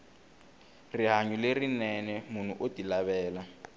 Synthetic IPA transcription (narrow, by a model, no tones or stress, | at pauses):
riɦaɲulerinɛnɛmun̤uʔotilaβɛːla